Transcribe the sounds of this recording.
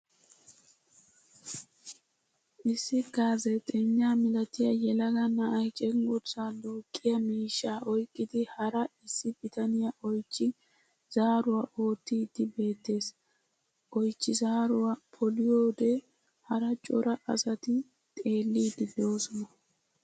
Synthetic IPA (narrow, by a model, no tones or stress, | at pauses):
ʔɪsːɪɡaːzɛt̪ʼɛɲːaːmɪlɐt̪ɪjɐjɛlɐɡɐnɐʔɐjt͡ʃʼɛŋɡʊt͡sːaloːkʼːɪjɐmiːʃːaːʔɔjkʼːɪd̪ɪhɐɾɐɪsːɪbɪt̪ɐnɪjɐʔɔjt͡ʃːɪ | z̥aːɾʊwaʔo̞ːt̪ːiːd̪ɪbe̞ːt̪ːe̞ːs | ʔɔjt͡ʃːɪzaːɾʊwapʰɔlɪjoːd̪ɛ | hɐɾɐt͡ʃʼɔ̰ɾɐʔɐ̰sɐt̪ɪ | t̪ʼe̞ːlːiːd̪ɪd̪o̞ːsɔnɐ